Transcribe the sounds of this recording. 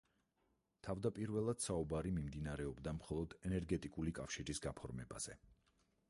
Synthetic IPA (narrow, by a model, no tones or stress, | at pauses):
t̪ʰavd̪apʼiɾvɛlˠad̪̥saubaɾimimd̪inaɾɛɔbd̪amχɔlˠɔd̪ɛnɛɾɡɛt̪ʼikʼulikʼafʃiɾisɡapʰɔɾmɛba̰z̥ɛ